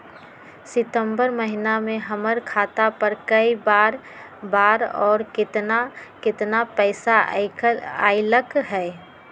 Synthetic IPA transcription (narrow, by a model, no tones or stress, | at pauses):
sɪt̪ə̃mbəɾməɦɪnamẽɦəməɾkʰaːt̪apəɾkəibaːɾ | baːɾɔːɾkɪt̪nakɪt̪napɛɪsa | aːiləkɦɛː